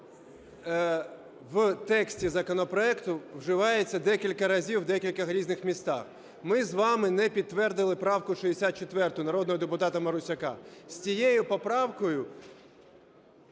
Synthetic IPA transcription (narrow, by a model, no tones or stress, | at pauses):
wt̪ɛksʲtʲizɐkɔnɔpɾɔɛkt̪ʊwʒɪʋɑjet͡sʲːɐd̪ɛkʲilʲkɐɾɐzʲiwd̪ɛkʲilʲkɐɦɾʲiznɪxmʲist̪ɑ̰x | mɪzʋɑmɪnɛpʲid̪t̪ːʋɛrd̪ɪlˠɪpɾɑwkʊʃiesʲat̪̚t͡ʃet̪ʋɛrt̪ʊʊnɐɾɔd̪nɔɦɔd̪epʊt̪ɑt̪ɐmɐɾʊsʲɐkɑ̰sʲt͡sʲijɛjʊpɔpɾɑwkɔjʊ